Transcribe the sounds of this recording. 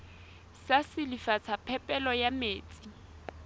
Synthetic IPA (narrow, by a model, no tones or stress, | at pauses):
sasɪlifat͡sʰapʰɛpʼɛlɔjameːt͡sʼi